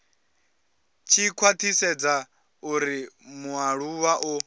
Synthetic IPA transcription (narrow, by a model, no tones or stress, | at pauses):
t͡ʃʰikʰwat̪ʰisɛd͡za | uɾimuaɺuwaʔu